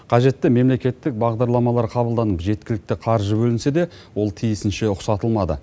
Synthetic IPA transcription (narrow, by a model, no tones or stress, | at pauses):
qʰɑʒe̞t̪ːɪme̞mle̞kʲe̞t̪ːɪk̚bɑʁd̪ɑɾlˠɑmɑlˠɑɾqʰɑbəlˠd̪ɑnəpʒe̞t̪kʲɪlɪk̚t̪ɪqʰɑɾʒəbɵlɪnse̞d̪e̞ | wo̞lˠt̪ʰijɪsɪnʃe̞ʊqsɑt̪əlˠmɑd̪ə̰